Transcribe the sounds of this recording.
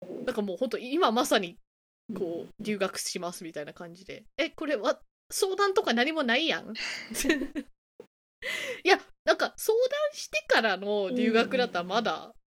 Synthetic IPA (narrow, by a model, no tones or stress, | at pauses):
nãŋkamoːhõ̞nt̪oiimamasaɲ̟i | ko̞ːɾʲɨːɡakɯ̟̥ɕimasɨmʲit̪ainakãɲ̟d͡ʑid̪e̞̰eko̞ɾe̞βa | so̞ːd̪ãnt̪o̞kanaɲ̟imo̞naijã̰ŋ | janãŋkaso̞ːd̪ãɰ̃ɕi̥t̪e̞kaɾano̞ɾʲɨ̟ːɡakɯ̟d̪at̪ːaɾmad̪a̰